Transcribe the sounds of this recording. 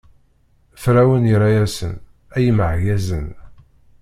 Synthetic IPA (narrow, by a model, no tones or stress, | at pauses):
fɾæwəniɾæjæsə̰n | æjəməʕʝæzən